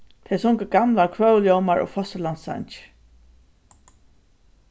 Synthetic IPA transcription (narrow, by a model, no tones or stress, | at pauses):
t̪ʰɛsɔŋkəɡamlakʰvœːwljɔwmaɹɔ̰ːfɔst̪əlansa̰ɲt͡ʃɪ̥